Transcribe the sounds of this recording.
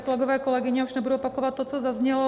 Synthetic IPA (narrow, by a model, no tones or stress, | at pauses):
kolɛɡovɛːkolɛɡɪɲɛuʒnɛbudupakovat̪ːot͡sozazɲɛlɔ